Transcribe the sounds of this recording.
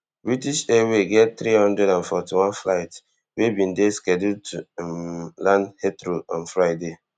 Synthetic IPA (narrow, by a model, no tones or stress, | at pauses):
bɹitiʃeɹeɡɛtθɾihɔ̃ndɾɛɾãnfɔtiwɔ̃nflaɪt | webĩndeskɛdud̚tʰu | lãndhetɾoɔ̃nfɹaɪde